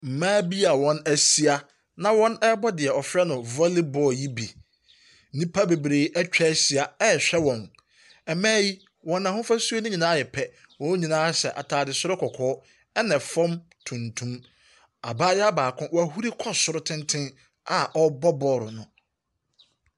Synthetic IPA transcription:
m̩˨mãː˦bi˦a˨wɔ̃˦næ˨si˦a˦ | nã˨wɔ̃˦nɛ˦bɔ˦dɪ˨ɛ˨ɔ˨fɾɛ˦nʊ̃˨vɔ˦li˦bɔ˨ji˦bi˨ | nĩ˦pʰa˦be˨bɾeː˨ʔɛ˦t͡ɕᶣɛ˦si˨a˨ɛ˦˨ɕᶣɛ˦wɔ̃˨n | ɛ˨mãː˦ji˦ | wɔ̃˨nã˨hʊ̃˦fa˦su˦o˦nʊ̃˦ɲĩ˨nãː˦jɛ˨pʰɛ˦ | wɔ̃˨˦ɲĩ˨nãː˦sɛ˨ʔa̰˨tʰaː˨dɪ˨sʊ˦ɾʊ˦kʰɔ˨kʰɔː˦ | ɛ˦nɛ̃˨fɔ̃˦m | tʰũ˨ntʰũ˦m | a̰˨baː˦jɛ˦a˦baː˨kʰʊ̃˦wɔ˨æ˨hu˦ɾi˦kʰɔ˦sʊ˨ɾʊ˦tʰɪ̃˦ntʰɪ̃˦ | a˨ʔɔ˦bɔ˦bɔː˨ɾʊ˨nʊ̃˨

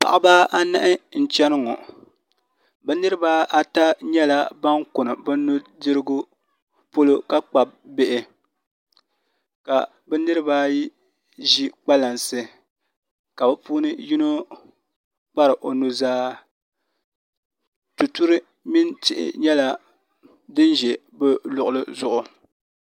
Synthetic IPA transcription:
pa̰˨ʔa˦baː˦a˦na˦ʔɪ˦n̩˨t͡ʃɛ˦nɨ˦ŋɔ̰˨ | bɛ˦nɨ˦ɾɨ˦baː˦ʔa˦ta˦ɲɛ˦la˦ba˦ŋkʊ˨nɨ˨bɛ˦nu˦dɨ˦ɾɨ˦ɡʊ˦ | po˦lo˦ka˦k͡pa˨b̚bɪ˦ʔɪ˦ | ka̰˨ | bɛ˦nɨ˦ɾɨ˦baː˦ji˦ | ʒi˦k͡pa˦la˨nsɨ˦ | ka˨bɛ˦puː˦nɨ˦ji˦no˦ | k͡pa˦ɾɨ˨ʔo˨nu˨zaː˦ | tu˨tu˦ɾɨ˦ | mi˦ntɪ˦ʔɪ̰˦ɲɛ˦la˦ | dɨ˦nʒɛ˨ | bɛ˦lʊ˨ʔʊ˨lɨ˦zʊ˦˨ʔʊ˨

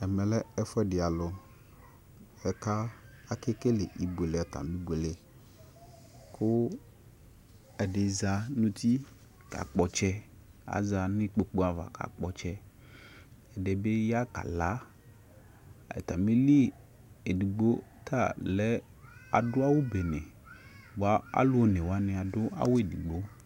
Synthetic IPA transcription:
ɛ˨mɛ˨lɛ˦ɛ˦fɛ˦ɖɪ˨a˨lʊ˨ | ɛ˨ka˦a˦ke˦ke˦le˨ʔi˨be˨le˨a˨t̪a̰˨mĩ˦ɡ͡be˨le˨ | kʰʊ˦ | ɛ˨ɖe˨za˨nũ˦t̪ʰi˦ | ka̰˨k͡pɔ˨t͡ʃɛ˦a̰˨za˨nɪ̃˦k͡po˨k͡pu˦a˨va̰˨ka̰˨k͡pɔ˨t͡ʃɛ˦ | ɛ˨de˨be˦ja˦ka̰˨la˨˦ | ɛ̰˨t̪a˨mi˦li˦ | e˨di˨ɡ͡bo˦t̪ʰa˦˨lɛ˨˦ | a̰˨dʊ˦a˦wo˦be˨nẽ˨ | ba˦a̰˦lʊ˦o˨nẽ˨wa˦nɪ̃˨a˨dʊ˦a̰˦wo˦e˨di˨ɡ͡bo˨˦

